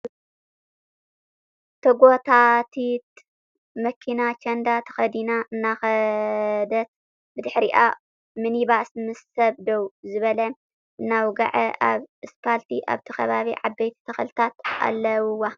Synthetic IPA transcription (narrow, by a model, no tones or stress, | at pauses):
t̪ʰɐɡot̪ʰat̪ʰit̪ | mɐkʰinat͡ʃʰɐnd̪at̪ʰɐ̥xɐd̪inaʔɨnːaxɐ | d̪ɐt̪̚ | bɨd̪ɨħɾiʔa̰ | mɨniβasmɨsɐβd̪owzɨβɐlɐ | ɨnːawɡa̰ʕɐʔa̰βɨspʰalt̪ʰiʔa̰βt̪ʰikʰɐβaβiʕabːejt̪ʰi̥t̪ʰɐxɐlt̪ʰat̪a̰lːɐwwa